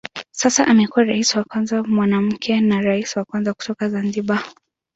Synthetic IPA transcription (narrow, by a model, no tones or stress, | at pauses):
sasaʔamɛkuwaɾaisiwakwanzamwanam̩kʰɛnaɾaisiwakwanzaku̥tɔkazanziɓa